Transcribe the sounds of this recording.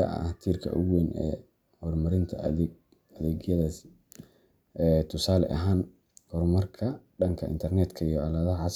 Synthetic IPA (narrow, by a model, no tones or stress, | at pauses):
ɐ̰ʔɐ̰ht̪ʰiːrkʰɐ̰ʔʊɣwɛːnʔɛ̰ː | hɔrmɐɾɪnt̪ʰɐ | ɐðɛːɡjɐðɐs | ʔɛːt̪ʰʊsaːlɛ̰ʔɐɦaːn | hɔrmɐrkʰɐɖɐŋkʰɐʔɪ̰nt̪ʰɐrnɛːd̪kʰɐijɔɐlɐðɐɦɐʕas